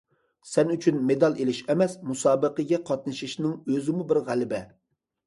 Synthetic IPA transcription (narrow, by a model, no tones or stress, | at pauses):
sɛnyt͡ʃʰynmed̪ɑlˠelɪʃɛmɛsmusɑːbəqəɡʲɛqʰɑt̪̚nɨʃiʃnɪŋøzɪmubɪɾʁælɪbɛ